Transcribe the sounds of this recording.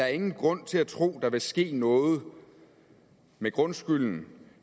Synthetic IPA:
ɑ̈æɐe̝ŋn̩ɡ̥ʁɔ̽n̰t͡sʰe̝læt͡sʰʁo̝̰ːd̥ɑ̈ʋe̝sɡ̥e̝̰ːnɔ̽ːð̞̩ˠ | meɡ̥ʁɔ̽nsɡ̥yln̩

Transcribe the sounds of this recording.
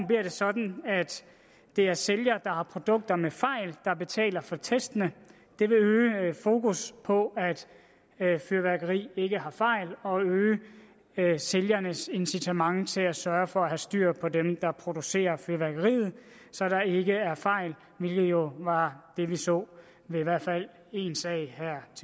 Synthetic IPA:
mb̥liɐd̥e̝sɒ̽d̥n̩æd̥ː | e̝æɐseljɐd̥ɑ̈hɑ̈pʰʁo̝d̥ɔ̽ɡ̥̚d̥ɐmefɑ̈ɪ̰ld̥ɑ̈b̥e̝t͡sʰɛ̰ːlɐfɒ̽t͡sʰesd̥ənə | d̥e̝ʋe̝øːfo̝ːkuspʰɒ̽æd̥ | fyɐʋæɐɡ̥ɐʁḭːe̝ɡ̥əɦɑ̈fɑ̈ɪ̰lɒ̽øː | seljɐnəse̝nsit͡sʰemɑ̈ŋt͡sʰe̝læsɶːɐfɒ̽æɦæsd̥yɐ̰pʰɒ̽demd̥ɑ̈pʰʁo̝d̥use̝̰ːɐfyɐʋæɐɡ̥ɐʁḭːð̩ˠ | sɒ̽d̥ɑ̈e̝ɡ̥əæɐfɑ̈ɪ̰l | ʋe̝lɡ̥ð̩ˠjo̝ʋɑ̈d̥e̝ʋisɔ̰̽ː | ʋe̝iʋæɐ̰fæl̰ | e̝ːnsɛɪ̰ɦæɐ̰t͡sʰ

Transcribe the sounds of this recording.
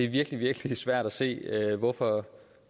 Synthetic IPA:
e̝ʋiɐɡ̥liʋiɐɡ̥lisʋæɐ̰ɾ̥æse̝̰ːøʋɒfɒ

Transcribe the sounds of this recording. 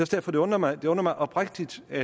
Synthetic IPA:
æsd̥æɐ̰fɒd̥e̝ɔ̽n̰ɐmɑ̈ɪd̥e̝ɔ̽n̰ɐmɑ̈ɪʔɒ̽b̥ʁaɡ̥̚d̥id̥æ

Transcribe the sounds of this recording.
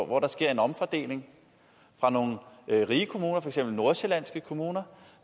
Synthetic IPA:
ʋɒɾ̥ɑ̈sɡ̥e̝ɐ̰e̝nɒ̽mfɒd̥e̝̰ːle̝ŋ | fʁɑ̈no̝ːŋ̩ʁiːəkʰo̝muːnɐfɒɐeɡ̥sem̰b̥l̩no̝ɐse̝læn̰sɡ̥əkʰo̝muːnɐ

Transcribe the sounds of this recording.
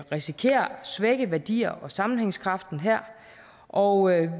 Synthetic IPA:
ʁisikʰe̝̰ːɐsʋeɡ̥əʋæɐd̥ḭːɐʔɒ̽sɑ̈mn̩heŋskʰʁɑ̈fd̥n̩ɦæɐ̰ | ʔɒ

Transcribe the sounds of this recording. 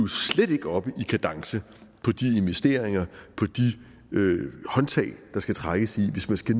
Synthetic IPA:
ʊsleɾ̥e̝ɡ̥əɒ̽b̥əʔikʰæd̥ɑ̈ŋsə | pʰɒ̽d̥ie̝nʋesd̥e̝ɐ̰eŋɐpʰɒ̽d̥i | øhɒ̽nt͡sʰɛ̰ːɪd̥ɑ̈sɡ̥æt͡sʰʁaɡ̥əsiʋe̝smænsɡ̥æn

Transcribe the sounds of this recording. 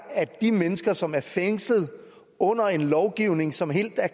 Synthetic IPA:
æd̥imenəsɡ̥ɐsɒ̽mæɐfeŋsləð̞̩ˠ | ɔ̽n̰ɐe̝nlɒʊɡ̥iʊne̝ŋsɒ̽mɦe̝̰ːld̥æɐ

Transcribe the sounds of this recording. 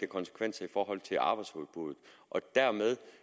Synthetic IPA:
əkʰɒ̽nsə̥kʰʋen̰sɐifɒːɦɒ̽l̰t͡sʰe̝lɑ̈ːb̥ɪshuð̩ˠb̥uðˠð̩ˠʔɒ̽d̥æɐmeð̞ˠ

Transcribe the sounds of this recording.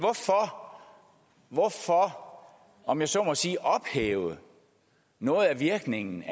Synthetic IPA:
ʋɒfɒ | ʋɒfɒ | ɒ̽mjɑ̈ɪsɒmɒ̽siːʔɒ̽b̥hḛːʊð̩ | nɔ̽ːð̞̩ˠæʋiɐɡ̥ne̝ŋn̩

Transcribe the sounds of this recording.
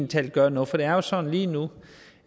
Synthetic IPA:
nt͡sʰɛl̰d̥̚ɡ̥ɶɐnɔ̽ð̩ˠfɒ̽d̥e̝æɐjo̝sɒ̽n̰̩liːnu

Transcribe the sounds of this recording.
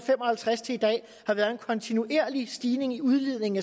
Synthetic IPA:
fem̰ɒ̽hælt͡sʰʁast͡sʰe̝lid̥ɛ̰ː | hɑ̈ʋæːɐðˠe̝nkʰɒ̽nt͡sʰinuʔe̝ɐ̰lisd̥iːne̝ŋiuð̞ˠlið̞̰ˠne̝ŋn̩æ

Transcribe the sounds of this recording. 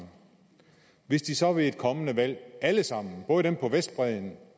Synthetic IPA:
ʋe̝sd̥isɒ̽ʋe̝e̝d̥̚kʰɒ̽mənəʋæl̰æləsɑ̈m̰n̩b̥ɔ̽ːðˠd̥empʰɒ̽ʋesd̥̚b̥ʁɛðˠn̩

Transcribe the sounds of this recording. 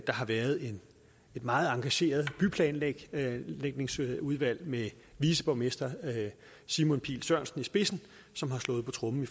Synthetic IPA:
d̥ɑ̈ɦɑ̈ʋæːɐð̞ˠe̝n | e̝d̥mɑ̈ːð̞̩ˠɑ̈ŋɡ̥æɕe̝̰ːɐð̞ˠb̥ypʰlɛ̰ːnɡ̥leɡ̥̚ne̝ŋsuð̞ˠʋæl̰me | ʋiːsəb̥ɒʊme̝sd̥ɐ | simɔ̽npʰḭːlsɶɐ̰nsn̩isb̥e̝sn̩ | sɒ̽mɦhɑ̈slɔ̽ːð̩ˠpʰɒ̽t͡sʰʁɔ̽mm̩if

